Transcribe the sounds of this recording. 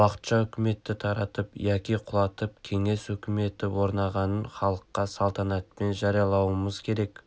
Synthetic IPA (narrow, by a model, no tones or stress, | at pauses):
wɑqə̥t̪ʃɑɵkʲɪme̞t̪ːɪt̪ʰɑɾɑt̪əpjɑkʲijqʰʊlˠɑt̪əp̚kʲʰe̞ŋe̞sɵkʲɪme̞t̪ɪwo̞ɾnɑʁɑnəɴχɑlˠəqːɑsɑlˠt̪ɑnɑt̪̚pe̞nʒɑɾijɑlˠɑwəməzkʲʰe̞ɾe̞k